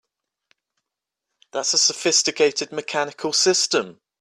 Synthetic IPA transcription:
ðatsəsəfɪstɪkʰeɪtʰɪd̚mɪkʰanɪkʰəlˠsɪstə̃m

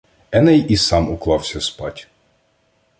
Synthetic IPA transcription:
ɛnɛjisɑmuklˠɑwsʲɐspɑtʲ

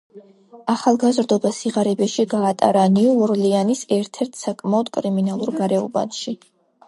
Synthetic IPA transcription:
aχalˠɡazɾd̪ɔbasiʁaɾɛbɛʃiɡaːt̪ʼa̰ɾaniuɔɾlianisɛɾt̪ʰɛɾt̪ʰsakʼmaɔd̪̥kʼɾiminalˠuɾɡaɾɛɔba̰nʃi

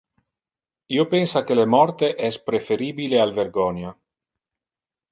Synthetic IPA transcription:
iopensak̟elemɔrt̪eʔɛspɾefeɾiːbilealverɡɔːnja

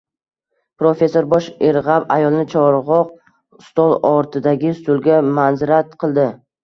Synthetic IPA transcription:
pɾofe̞sːo̞ɾbɒʃeɾʁabajɒlˠɪnɪt͡ʃʰɒɾʁɒq̚ | st̪ɒlˠɒɾt̪ʰɪd̪aɡʲɪst̪ʊlˠɡʲamanzɪɾat̪qʰɨlˠd̪ɪ

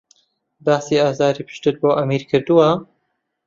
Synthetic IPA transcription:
baːsiːaːzaːɾiːpʰɨ̥ʃt̪ɨɾboːʔɐmiːɾkʰɨɾd̪uwɐ

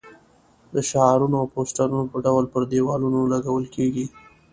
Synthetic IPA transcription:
d̪əʃaɑɾunoawposʈaɾunopəɖawlpəɾd̪ewɑlunolaɡawəlkʰeɡi

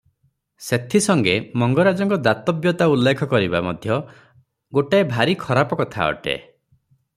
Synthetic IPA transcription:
set̪ʰisɔŋɡemɔŋɡɔɾad͡ʒɔŋkɔd̪at̪ɔbjɔt̪aulːekʰɔkɔɾiba̰mɔd̪ʱjɔ | ɡoʈaebʱaɾikʰɔɾapɔkɔt̪ʰa̰ɔ̰ʈḛ

